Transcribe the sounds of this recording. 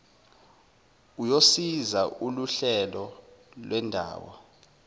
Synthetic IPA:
ujosizauluɬɛlɔlwʔɛndʱa̰ːwɔ̰

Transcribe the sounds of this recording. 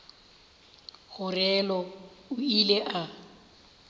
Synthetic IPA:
ɣʊrɛlɔʊileʔa

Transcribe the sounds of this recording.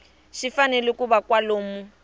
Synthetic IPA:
ʃifanɛlɪkubakwaloːmu

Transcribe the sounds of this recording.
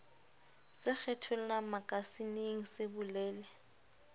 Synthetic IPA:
sɪk͡xʰɛtʰʊl̩namakʼasineŋ̩sɪbʊlɛːlɪ

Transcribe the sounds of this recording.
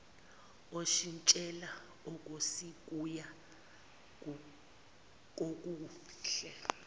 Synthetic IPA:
oʃint͡ʃʼɛla | ok̬ʼosik̬ʼuja | k̬ʼok̬ʼuː | ɬɛ

